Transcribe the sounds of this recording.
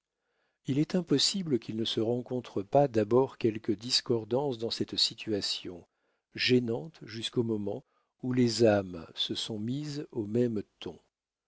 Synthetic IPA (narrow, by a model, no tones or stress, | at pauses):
ilɛt̪ɛ̃pɔsibləkʲilnəsəʁɑ̃kɔ̃t̪χəpad̪abɔʁkʲɛlkəd̪iskɔʁd̪ɑ̃sd̪ɑ̃sɛt̪sit̪ʰɥasjɔ̃ | ʒenɑ̃t̪ʒyskomɔmɑ̃ | ulezamsəsɔ̃mizomɛmt̪ʰɔ̃